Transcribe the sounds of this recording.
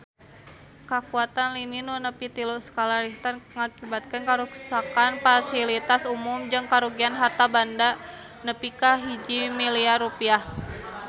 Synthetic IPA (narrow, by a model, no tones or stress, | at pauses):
kakuat̪anlininunəpit̪ilɔʔsə̥kalaɾiht̪arŋakibat̪̚kənkaɾuksakanfasilit̪asumumd͡ʒɨŋkaɾuɡianɦat̪abanda | nəpikaɦid͡ʒimiliaɾupiah